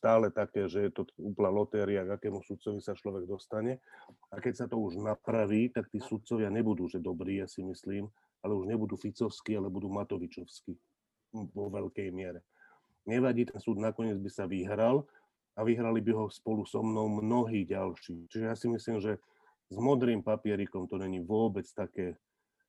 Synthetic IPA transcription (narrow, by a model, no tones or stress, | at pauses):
st̪aːlɛt̪akɛːʒɛjɛt̪ɔuːplnalɔt̪ɛːɾiaɡakɛːmusut̪̚t͡sɔʋisat͡ʃlɔʋɛɡ̚d̪ɔst̪aɲɛakɛcsat̪ɔuʒnapɾaʋiːt̪ak̚t̪iːsut̪̚t͡sɔʋɪaɲɛbud̪uːʒɛd̪ɔbɾiːjasimisliːm | alɛuʒɲɛbud̪uːfit͡sɔʊskiːalɛbud̪uːmat̪ɔʋit͡ʃɔʊskiː | ʋɔʋɛʎkɛjmɪɛɾɛ | ɲɛʋaɟiːt̪ɛnsuːd̪nakɔɲɪɛd͡zbisaʋiɦɾal | aʋiɦɾalibiɦɔspɔlusɔmnɔʊmnɔɦiːɟalʃiːt͡ʃiʒɛjasimisliːmʒɛ | zmɔd̪ɾiːmpapɪɛɾikɔmt̪ɔɲɛɲiʋʊɔbɛt͡st̪akɛː